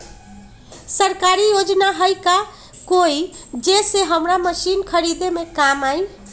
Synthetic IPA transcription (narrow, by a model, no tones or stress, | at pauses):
səɾkaɾijod͡ʒnaɦəjka | koid͡ʒeseɦəmɾaməsinkʰəɾid̪emekamaj